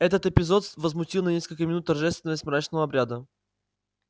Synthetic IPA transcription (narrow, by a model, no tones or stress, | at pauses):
ɛt̪ət̪ɛpizɔt̪vəzmʊt̪ilˠnɐnʲiskəlkəminut̪ːɐɾʒɛst̪vɛnɛsmɾat͡ʃ̪noobɾʲad̪ə